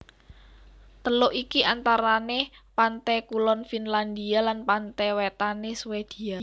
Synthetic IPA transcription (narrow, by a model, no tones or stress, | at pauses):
t̪əlʊʔikiʔant̪aɾanepant̪ɛkulɔnfinland̪ialanpant̪ɛwet̪aneswed̪̥i̤a